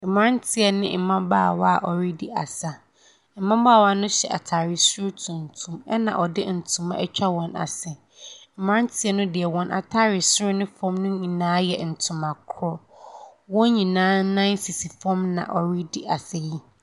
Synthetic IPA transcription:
m̩˨m˦ã˦n˦tʰɪ˦ɛ˨nɪ̰̃˦m̩˨mã˦baː˦a˨wa˦a˨ʔɔ˨ɾi˦di˦a̰˨sa˦ | m̩˨mã˦ba˦˨wa˦nʊ̃˦ɕɛ̰˨ʔa̰˨tʰaː˨ɾɪ˨sʊ˦ɾʊ˦tʰũ˨n˨tʰũ˨mɛ˦nã̰˨ʔɔ˨dɪ˦n̩˨tʰũ˨mã̰˦ʔɛ˦t͡ɕᶣa˦wɔ̃˨na̰˨sɛ˨ | m̩˨m˦ã˦n˦tʰɪ˦ɛ˦nʊ̃˦dɪ˨ɛ˨wɔ̃˨nʔa̰˨tʰaː˦ɾɪ˨sʊ˦ɾʊ˦nɪ̃˦fɔ̃˦mnʊ̃˦ɲĩ˨nãː˦jɛ̰˨n̩˨tʰʊ̃˨ma˨kʰɔ˦wɔ̃˦ɲĩ˨nãː˦nã˦n̩˦si˨si˨fɔ̃˦mnã̰˨ʔɔ˨ɾi˦di˦ʔa˨sɛ˨ji˦

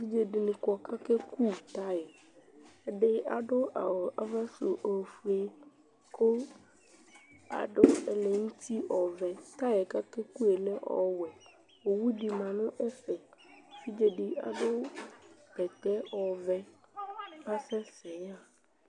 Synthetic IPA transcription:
vi˦d͡ʒe˦ɖi˨nũ˨kɔ˨kʰa˦kɛ˦kʰu˦t̪a˦jɛ˨ | e˦ɖɪ˦a̰˨ɖʊ˦a˨a˨va˦so˨ʔo˨fu˨e˨ | kʰo˦ | a̰˨ɖʊ˦e˨le˨ŋũ˦t̪ʰi˦ʔɔ˨vɛ˨t̪a˦jɛ˨ka˦kɛ˦ku˦e˨lɛ˦ʔɔ̰˨wɛ˨ | wo˨wu˦ɖi˨mã˨nʊ̃˦ʔɛ˦fɛ˨fi˦d͡ʒe˦ɖi˦a̰˨ɖo˦ | pɛ˨t̪ɛ˦ɔ˨vɛ˦ | a˦sɛ˦sɛ˨ja˦

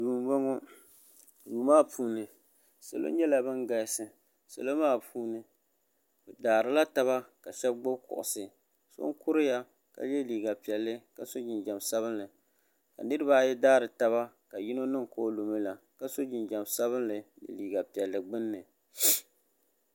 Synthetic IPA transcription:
duː˨m˦ɡ͡bɔ˦ŋo˦ | duː˨maː˦pʰuː˦nɨ˨ | sa̰˨lo̰˦ɲɛ˦la˨bɨ˦ŋɡa˨jsɨ˨ | sa̰˨lo˦maː˦pʰuː˦nɨ˨ | bɨ˨daː˨ɾɨ˨la˦ta˦βa˦ka˨ʃɛ˦b̚ɡ͡bʊ˦bkʊ̰˨ʔʊ̰˨sɨ˨ | so̰˦ŋkʊ˦ɾɨ˦ja˦ | ka̰˨jɛ˦liː˨ɡa˨pi˨ɛ˨lːɨ˦ka˨so˦d͡ʒɪ˨nd͡ʒa˨msa˦βɨ˦nlɨ˨ | ka̰˨nɨ˦ɾɨ˦ba˦˨jɛ˦daː˦ɾɨ˨ta˦βa˦ | ka˨ji˦no˦nɨ˦ŋko˦lo˨mɨ˦la˨ | ka˦so˦d͡ʒɪ˨nd͡ʒa˨msa˦βɨ˦nlɨ˨nɨ̰˨liː˨ɡa˨pi˨ɛ˨lːɨ˨ɡ͡bɨ˦nːɨ˨

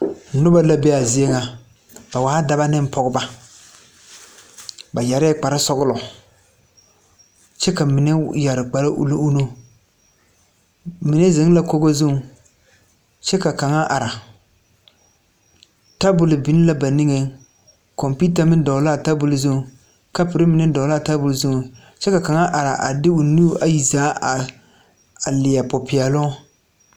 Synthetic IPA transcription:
nʊ˦ba˦la˦be˦a˨zɪ˦e˦ŋa˨ | ba˨waː˨˦a˦da˨ba˦nɪ˦m˦pɔ˦ɡʊ˦ba˦ | ba˨ja˨ɾɛː˦k͡pa˨ɾɪ˦sɔ˦ɡʊ˦lɔ˨ | t͡ʃɛ˦ka˨mɪ˨nɛ˦ja˨ɾɪ˨k͡pa˨la˦ʔṵ˦lo˦u˦nu˦ | mɪ˨ne˦ze˨˦ŋ˦la˦ko˦ɡo˦zu˦ŋ | t͡ʃɛ˦ka˨ka˨ŋa˦ʔa˨ɾa˨ | ta˦bʊ˨lɪ˨bɪ˦n˦la˦ba˨ni˦ŋe˦ | kɔ˨mpi˦ta˨mɪ˦dɔ˨˦la˦˨ta˦bʊ˨lɪ˨zʊ˦˨ | ka˦pɪ˨ɾɪ˦mɪ˨nɛ˦dɔ˨˦la˦˨ta˦bʊ˨lzʊ˦˨ | t͡ʃɛ˦ka˨ka˨ŋa˦ʔa˨ɾa̰˨ʔa̰˨dɪ˦ʊ˨nu˦a˨ji˨zaː˦a˨ | a˨lɪ˨ja˨pɔ˨pɪ˨ɛ˨lɔ˦

